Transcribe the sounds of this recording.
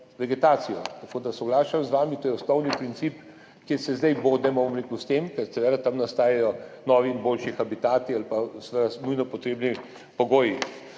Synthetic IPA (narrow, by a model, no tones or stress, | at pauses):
ʋɛɡɛt̪aːt̪sijɔ̰t̪ɐkoːd̪asɔɡlaːʃamzʋaːmit̪oːjɛɔsnɔwnipɾint̪siːp | kjeːɾsɛzd̪ajboːd̪nɛmɔbomɾekust̪emkɛɾt̪ɛʋɛɾat̪amnast̪aːjajɔnɔːʋinboːlʃixabit̪aːt̪ialpasʋɛɾanujnɔpɔt̪ɾeːbni | pɔɡoːji